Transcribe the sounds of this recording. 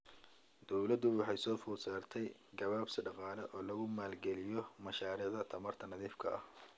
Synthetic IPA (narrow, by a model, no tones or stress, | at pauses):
d̪̥ɔwlɐd̪ʊwɑħɑjsɔːfʊːsaːrt̪ʰɛjɡɐβaːbsɪɖɑqɑːlɛʔɔːlɐɣʊmaːlɡɛlɪjɔmɐʃaːɾiːʕðɐt̪ʰɐmɐrt̪ʰɐnɐðiːfkʰɐɐh